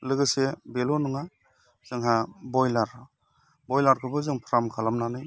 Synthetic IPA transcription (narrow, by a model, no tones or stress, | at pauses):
lɯɡɯsebelɔnɯŋa | z̥ɯŋɦabɔjlaɾ | bɔjlaɾkʰɯbɯzɯŋpʰɾamkʰalamnanɯj